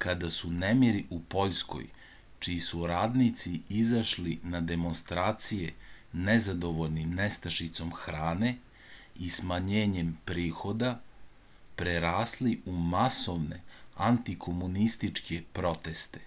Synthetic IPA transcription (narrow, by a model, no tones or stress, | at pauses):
kad̪asunemiɾiʔupo̞ʎsko̞̰j | t͡ʃiisuɾaːd̪nit̪siizaʃlinad̪e̞mo̞nst̪ɾaːt̪sijenezad̪o̞ʋo̞ʎnimnest̪aʃit̪so̞mxɾaːne̞ | ismaɲeːɲempɾiːxo̞d̪a | pɾeɾaːsliumaso̞ʋne̞̰ant̪ikʰo̞munist̪it͡ʃkʰe̞pɾo̞t̪e̞st̪e̥